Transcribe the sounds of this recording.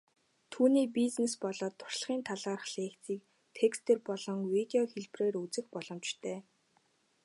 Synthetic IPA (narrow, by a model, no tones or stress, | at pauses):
t̪ʰuːniːpiznespɔɮɔːt̪ʰːʊ̥rɮχiːnt̪ʰaɮaːrə̆χɮeːkt͡siːk̚ | t̪ʰekst̪ʰeːrpɔɮɞ̆ŋwit̪eɔxeɮpreːrut͡sɘ̆xpɔɮɞ̆mt͡ɕt̪ʰæː